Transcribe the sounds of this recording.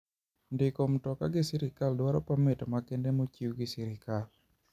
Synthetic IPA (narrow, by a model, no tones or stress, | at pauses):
ndɪkom̩tɔkaɡɪsiɾɪkaldwaɾɔpamɪtɔmakendemot͡ʃiwɡɪsɛɾɪkal